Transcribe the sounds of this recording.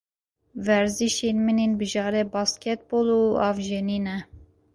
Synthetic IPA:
vɛɾziʃenmɨnenbɨʒɑːɾɛbɑːskʲɛt̪̚boːluːɑːvʒeniːnɛ

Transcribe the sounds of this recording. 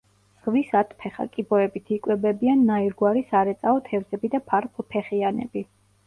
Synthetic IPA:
z̥ʁvisat̪ʰpʰɛχa̰kʼibɔɛbit̪ʰikʼwɛbɛbianːaiɾɡwaɾisaɾɛt̪sʼaɔt̪ʰɛvzɛbid̪apʰaɾqʼlpʰɛχianɛ̰bi

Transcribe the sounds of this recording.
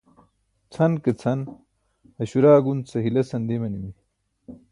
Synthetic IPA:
t͡sʰɐnket͡sʰɐn | hɐɕuɾaːɡunt͡sʰɐɦilɐsɐnd̪emɐnimi

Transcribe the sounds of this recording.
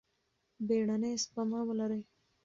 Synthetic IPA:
beɽanespamawəlaɾəj

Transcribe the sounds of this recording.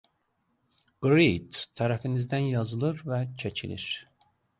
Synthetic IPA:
ɡ̥ɾid̪ʰæɾæfinizd̪ænjɑzɯlˠɯɾvæt͡ʃʰecʰilḭɾ̥

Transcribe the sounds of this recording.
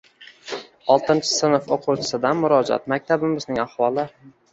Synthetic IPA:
ɒlˠt̪ʰɪnt͡ʃʰɪ̥sɪnɨfoqʰʊwt͡ʃʰɪ̥sɪd̪anmʊɾɒd͡ʒa̰t̪mak̚ʲt̪ʰabɪmɪznɪŋahwɒlˠɪ

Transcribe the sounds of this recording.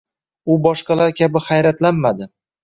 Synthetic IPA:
ʊbɒʃqɑlaɾkʲʰabɪχajɾat̪lanmad̪ɪ

